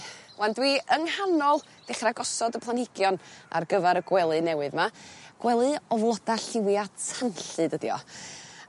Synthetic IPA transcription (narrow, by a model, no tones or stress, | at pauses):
wandwiːəŋhanɔlˠ | d̥ɛχraɡɔsɔdəpʰlˠanhɪɡ̥jɔna̰rɡəvaɾəɡwɛlˠɨnɛwɨðmaɡ̥wɛlˠɨɔvlˠɔd̥aɬɪwjatʰanɬɨdədiɔ̰